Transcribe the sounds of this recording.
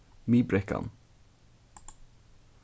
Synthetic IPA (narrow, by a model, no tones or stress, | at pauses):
mibɾɛka̰n